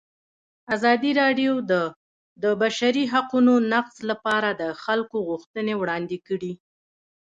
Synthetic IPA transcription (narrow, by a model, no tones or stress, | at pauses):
azɑd̪iɾɑɖjod̪ə | d̪əbaʃaɾiɦaqunonaqzlapɑɾad̪əxalkoɣuxt̪ənewɽɑnd̪ɪkəɽi